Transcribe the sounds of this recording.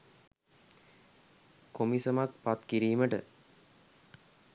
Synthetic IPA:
komisəmak̚pat̪kiɾiːməʈə̰

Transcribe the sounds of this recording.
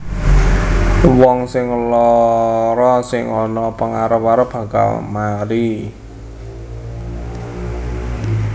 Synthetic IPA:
wɔŋsɪŋlɔ | ɾɔsɪŋɔnɔpəŋaɾəpwaɾəb̥ä̤ka̰lmaɾi

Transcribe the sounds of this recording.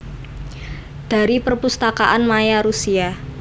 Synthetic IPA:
d̥a̤ɾipərpust̪akaʔanmajaɾusia

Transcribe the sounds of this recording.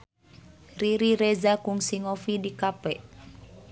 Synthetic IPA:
riɾiɾɛzakuŋsiŋofidikapɛʔ

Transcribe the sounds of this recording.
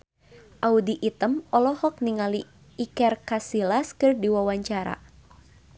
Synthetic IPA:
ʔaudiʔit̪əmɔlɔhɔk̚niŋali | ikɛrkasilaskɨrdiwawaɲt͡ʃaɾa̰

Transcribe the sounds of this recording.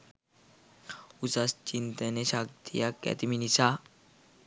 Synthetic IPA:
usast͡ɕint̪əneɕak̚t̪ijakɛ̰t̪iminisa

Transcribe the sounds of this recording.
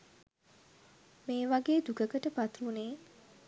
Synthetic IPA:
meːʋaɡeːd̪ukəkəʈəpat̪uneː

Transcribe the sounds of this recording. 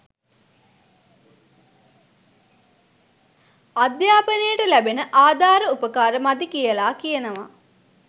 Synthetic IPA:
ad̪jaːpənəjəʈəlæbenəʔaːd̪ʱaːɾəupəkaːɾəmad̪ikijəlaːkijənəʋa

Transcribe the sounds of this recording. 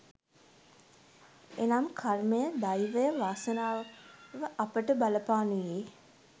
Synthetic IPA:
enamkʰarməjəd̪ajʋəjəʋaːsənaːʋəʔapəʈəbaləpaːnujeː

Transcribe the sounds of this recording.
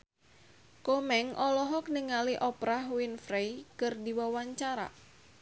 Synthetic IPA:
komɛŋɔlɔɦɔk̚niŋaliʔɔpɾaɦwinfɾejkɨrdiwawaɲt͡ʃaɾa̰

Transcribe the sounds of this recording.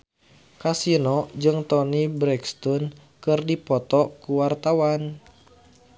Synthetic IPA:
kasinɔd͡ʒɨŋt̪ɔnibɾɛkst̪ɔn | kɨrdipɔt̪ɔkuwart̪awan

